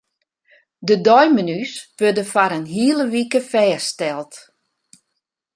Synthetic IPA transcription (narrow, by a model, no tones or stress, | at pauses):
dədɔjmənysʋødəfaɾənɦiəlˠəʋikəfɛːstɛlˠt